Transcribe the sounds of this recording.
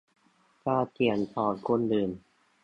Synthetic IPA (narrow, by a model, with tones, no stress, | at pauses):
kaː˥˩t̪ʰi˨˩ənt̪ʰɔː˨˩nkʰo˧˥˨ndɯː˨˩m